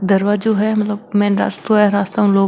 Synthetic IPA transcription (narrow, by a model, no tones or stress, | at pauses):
d̪ɐɾʋaːd͡ʒoːɦɛmɐt̪ləbmɛ̃ːnɾa̰ːst̪oɛɾaːst̪aʊ̃nloː